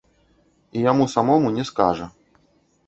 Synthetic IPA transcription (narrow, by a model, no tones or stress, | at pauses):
ijamusamɔmunʲɛska̰ʐɐ